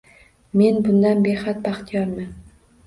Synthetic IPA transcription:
me̞nbʊnd̪anbeχat̪̚bɑχt̪ʰijɒɾman

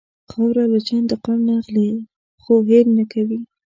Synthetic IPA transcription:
qʰɑwɾalat͡ʃand̪əqamnaɣli | xoɦelnakʰawi

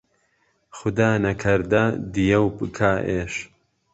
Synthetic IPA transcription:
xʊd̪aːnɐkʰɐɾd̪ɐd̪ijɐwbɨkʰaːʔeːʃ

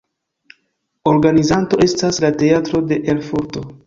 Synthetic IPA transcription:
o̞ɾɡanizanto̞e̞staslate̞atɾo̞de̞ʔelfuɾto̞

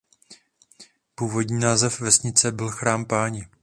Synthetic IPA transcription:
puːvo̞dɲiːnaːzɛfvɛsɲɪt͡sɛbɪlxɾaːmpaːɲɪ

